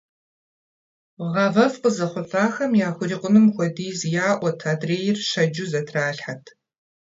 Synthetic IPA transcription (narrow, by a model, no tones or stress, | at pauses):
ʁɑvɐvqəzɐχʷʊfaːxɐmjaːxʷʊriːqʷʼʊnɨmxʷɔdiːzjaːʔʷɐtʰaːdreːjɪrʃɐd͡ʒuzɐtʰraːɬħatʰ